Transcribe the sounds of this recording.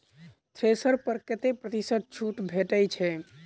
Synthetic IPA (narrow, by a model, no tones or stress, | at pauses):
t̪ʰɾesəɾpəɾket̪epɾət̪isəd̪̚t͡ʃʰuʈbʱeʈəjt͡ʃʰɛ